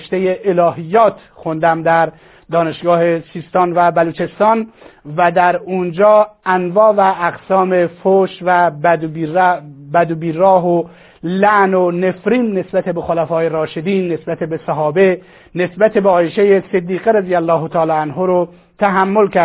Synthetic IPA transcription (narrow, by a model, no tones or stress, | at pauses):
ʃt̪ejeʔelɒːɦijːɒːt̪ʰxond̪æmd̪æɾ | d̪ɒːne̞ʃɡɒːhe̞siːst̪ɒːnvæbæluːt͡ʃʰe̞st̪ɒːnvæd̪æɾund͡ʒɒːænvɒːvæʔːɡsɒːme̞foʃvæ | bæd̪obiːɾɒːɦo | læʔnone̞fɾiːnne̞sbæt̪ʰebexolæfɒːje̞ɾɒːʃed̪iːnːe̞sbæt̪ʰebe̞sæɦɒːbe | ne̞sbæt̪ʰebeɒːjeʃejesed̪ːiːɣeɾezijælːɒːɦot̪ʰɒːlɒːænɦoːɾo | t̪ʰæɦæmːolkʰæ